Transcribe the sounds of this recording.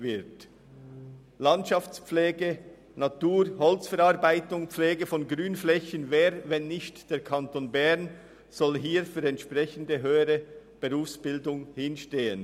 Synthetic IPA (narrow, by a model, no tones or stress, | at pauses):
vɪɾt | lɑntʃɑft͡spp͡flɛːɡə | nɑtuːɾhɔlt͡sfɛɾɑʁbaɪtʊŋpflɛːɡəfɔnɡʁyːnflɛçənvɛːɾvɛnːɪçtd̥eːʁkʰɑntoːnbɛʁn | z̥ɔlɦiːɾfyːɾɛntʃpʁɛçən̩dəɦøːəɾəb̥əʁuːfsb̥ɪldʊŋhɪnʃteːən